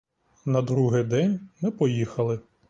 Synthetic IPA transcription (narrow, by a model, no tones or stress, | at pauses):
nɐd̪ɾuɦɪjd̪ɛnʲmɪpɔjixɐlˠɪ